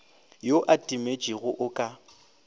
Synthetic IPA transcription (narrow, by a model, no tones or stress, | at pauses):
joʔatʼimet͡ʃʼiɣʊʔʊkʼa